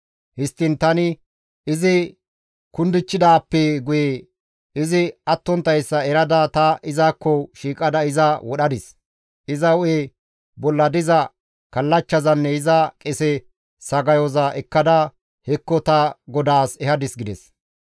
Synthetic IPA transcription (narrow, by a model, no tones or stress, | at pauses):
hɪst̪ːɪnt̪ɐnɪ | ɪzɪ | kʊnd̪ɪt͡ʃːɪd̪aːpːɛɡʊje | ɪzɪɐt̪ːɔnt̪ːɐjsːɐɛɾɐd̪ɐt̪ɐɪzakːɔʃiːkʼɐd̪ɐɪzɐwɔɗɐd̪ɪs | ɪzɐʊe | bɔlːɐd̪ɪzɐ | kɐlːɐt͡ʃːɐzɐnːɛɪzɐkʼɛsɛ | sɐɡɐjɔzɐʔɛkːɐd̪ɐ | hɛkːɔt̪ɐɡɔd̪aːsɛhɐd̪ɪsɡɪd̪ɛs